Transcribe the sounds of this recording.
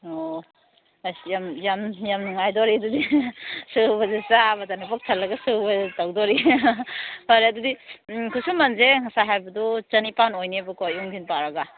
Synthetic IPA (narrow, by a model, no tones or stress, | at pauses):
o | jamjamjamnuŋajdoɾiɐdudisɯbɐzesabɐtanapak̚tʰalːɐɡɐsɯbɐtawdɔɾi | haɾiɐdudikʰusumːɐnzeŋasaɦajbɐdɔt͡ʃɐnipanojniɐbɯkojuŋɡʰinpaɾɐɡa